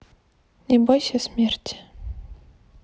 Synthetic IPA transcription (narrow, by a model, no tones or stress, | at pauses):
nʲebolʲʃesmʲerʲtʲ